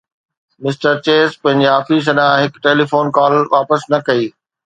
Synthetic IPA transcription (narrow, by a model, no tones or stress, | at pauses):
mɪsʈəɾt͡ɕeːspɐ̃ɦɪ̃ɲd͡ʑeaːfiːs̬ɐɗãɦɪkʈeːliːfoːnkaːlʋaːpəsnɐkɐiː